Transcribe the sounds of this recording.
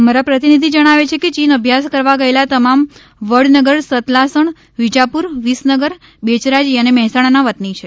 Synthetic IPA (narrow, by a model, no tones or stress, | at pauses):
əmaɾapɾət̪inid̪ʱid͡ʒəɽ̃aʋet͡ʃʰeket͡ʃinəbʱjaskəɾʋaɡəelat̪əmam | ʋəɽnəɡəɾsət̪lasəɳ | ʋid͡ʒapuɾʋisnəɡəɾ | bet͡ʃɾad͡ʒiənemɛɦsaɽ̃anaʋət̪nit͡ʃʰe